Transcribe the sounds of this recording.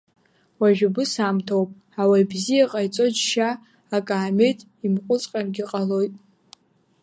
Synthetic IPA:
waʒᶣabɨsamtʰowpʼ | awajbzijaqʼajt͡sʼo̞d͡ʒʃaː | kʼaːmetʼ | imqʷʼʊt͡sʼqʼarɡʲɪqʼalo̞jtʼ

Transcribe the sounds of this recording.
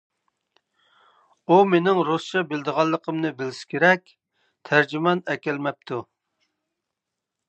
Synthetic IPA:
umenɪŋɾost͡ʃɑbɪld̪əʁɑlˠːəqʰəmnɨbɪlɪʃkʲʰeɾɛkʲ | t̪ʰæɾd͡ʒymɑnɛkʲɛlmɛp̚t̪ʰu

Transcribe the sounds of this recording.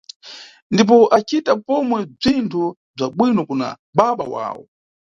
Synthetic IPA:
ndip̬ɔʔat͡ʃitapɔmwɛb͡ʐintʰu | b͡ʐaɓwinɔkuna̰ | ɓaɓa̰wa̰ːwɔ̰

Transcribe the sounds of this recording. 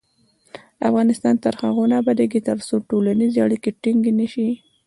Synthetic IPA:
a̰fɣɑnɪst̪ɑnt̪əɾxaɣonabad̪aɡit̪aɾsoʈolanizeaɽikeʈiŋɡenəʃi

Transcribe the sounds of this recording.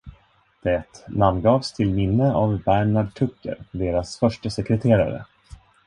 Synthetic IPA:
d̪̥ɛt̪namnɡɑːvst̪ʰɪlmɪnːəavbæɳaɖʈʰɵkːə̰ɾd̪eːɾasfœʂʈəsɛkɾɛt̪ʰeːɾa̰ɾə̰

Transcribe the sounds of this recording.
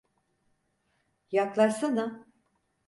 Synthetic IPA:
jaklˠaʃsana

